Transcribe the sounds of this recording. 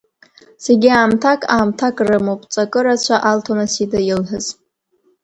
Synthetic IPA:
se̞ɡʲiaːmtʰakʰʼaːmtʰakʼrɨmopʼt͡sʼakʼɨɾat͡ɕʷʰaʔaltʰonasidɨjɪlħɨz

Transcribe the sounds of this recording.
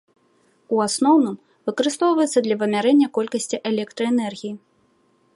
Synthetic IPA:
uasnɔwnɨm | vɨkɐɾɨst̪ɔwvɐjɛt̪sːɐd̪lʲɐvɐmʲaɾɛnʲːɐkɔlʲkɐsʲt͡sʲiʔɛlʲɛk̚t̪ɾɐɛnɛrɣʲiji

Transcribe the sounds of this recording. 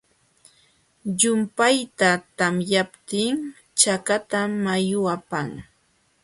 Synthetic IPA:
ʎʊmpajt̪at̪amjapt̪ɪŋ | t͡ʃakat̪amajʊapaŋ

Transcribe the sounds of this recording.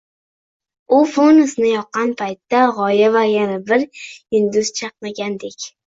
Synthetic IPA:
ʊfonʊsnɪjɒqːɑnpʰajt̪ːaʁɒjavajanabɪɾɪnd̪ʊz̥t͡ʃʰɑqnaɡʲand̪ekʲ

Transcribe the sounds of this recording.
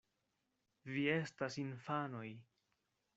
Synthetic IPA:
vie̞stasinfano̞j

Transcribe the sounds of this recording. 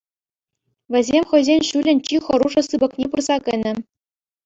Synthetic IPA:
ʋʲɘ̆zʲemʲχɤ̆jzʲenʲɕulʲɘ̆nʲt͡ɕiχɤ̆ɾuʐɤ̆sɯbɤ̆knʲepurzɑkʲɘ̆nʲɘ̆

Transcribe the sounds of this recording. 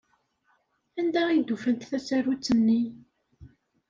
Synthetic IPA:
ænd̪æid̪ufənt̪θæsæɾut͡sːənːi

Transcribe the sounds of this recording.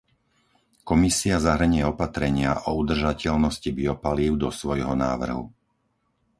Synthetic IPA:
kɔmisiazaɦr̩ɲʊɛɔpat̪ɾɛɲɪaʔɔud̪r̩ʒacɛʎnɔscibiɔpaliːʊd̪ɔsʋɔjɦɔna̰ːʋr̩ɦṵ

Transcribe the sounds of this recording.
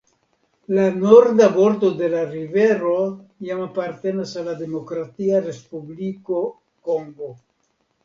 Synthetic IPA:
lanoɾd̪abo̞ɾt̪o̞d̪e̞laɾive̞ɾo̞jamapaɾt̪e̞nasalːad̪e̞mo̞kɾat̪iaɾe̞spubliko̞ | ko̞ŋɡo̞

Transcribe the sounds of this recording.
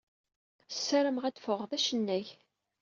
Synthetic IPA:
sːæɾəmʁæd̪fəʁðæʃənːæç

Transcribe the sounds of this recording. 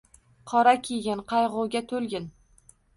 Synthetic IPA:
qʰɒɾakʲʰeɡʲɪnqʰɑjʁʊwɡʲat̪ʰɵlɡʲɪn

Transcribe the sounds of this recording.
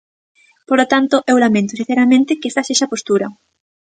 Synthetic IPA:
polot̪ant̪oʔewlamẽnt̪ʊsin̟θeɾamẽnt̪ɪkest̪aseʃapost̪uɾɐ

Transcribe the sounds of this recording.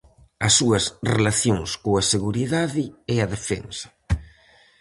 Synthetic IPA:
ɐsːuɐsrelaθjoŋskoɐseɣuɾiðaðɪɛɐðefḛnsɐ̥

